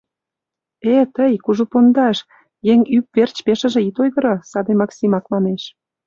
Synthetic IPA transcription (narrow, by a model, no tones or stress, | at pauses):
et̪əjkuʒupond̪ɑʃ | jeŋyp̚vert͡ɕpeʃə̆ʒĕit̪ojɣə̆ɾosɑd̪emɑksimɑkmɑneʃ